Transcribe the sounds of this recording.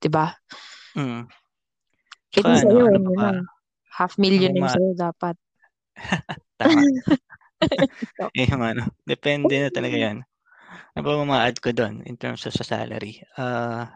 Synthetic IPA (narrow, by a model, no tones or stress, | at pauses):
d̪̥ɪba | ʔɪt̪ʊnsɐjoɛnɡɐnan | hafmiljʊnɐjsɐjod̪aːpɐt̪̚ | t̪a | oʔɐjoŋɐnod̪ɛpɛnd̪ɛnɐt̪ɐlɐɡajon | nɐbɐmʊmaːʔɐd̪̚kod̪onʔɪ̰nt̪ɛ̰ɹmsɐsɐsa̰ːlɐ̰ɾiʔaː